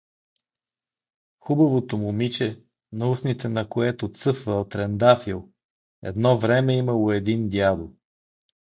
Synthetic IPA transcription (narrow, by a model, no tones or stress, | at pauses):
xubɐvot̪omʊmit͡ʃɛ | nɐusnit̪ɛnɐkoɛt̪ot̪sɤfvəot̪ɾɛnd̪afilˠ | ɛ̰d̪nɔvɾɛmɛiməlˠoɛd̪ind̪ʲjad̪o